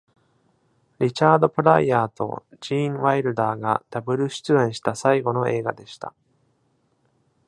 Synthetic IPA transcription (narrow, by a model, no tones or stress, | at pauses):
ɾʲit͡ɕaːd̪o̞pɯ̟ɾaiaːt̪o̞̰d͡ʑĩːɴβaiɾɯ̟d̪aːɡa̰d̪̥abɯ̟ɾɯ̟ɕi̥t͡sɨẽɰ̃ɕi̥t̪asaiɡo̞no̞ʔe̞ːɡad̪e̞ɕi̥t̪a̰